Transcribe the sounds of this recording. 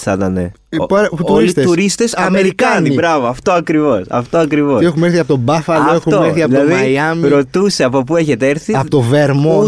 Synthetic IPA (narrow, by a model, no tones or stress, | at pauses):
θɐt̪ɐne | pɐɾuolit̪et̪uɾist̪esɐmeɾikɐnibɾɐvoɐft̪o̞ɐkɾivo̞sɐ̰ft̪o̞ɐkɾivoexumeɾθiɐpot̪obɐfɐloefxuoeɾθiɐpilɐðijɐmɾo̞t̪use̞ɐpo̞p̬ue̞çe̞t̪eeɾθiɐpot̪oveɾmo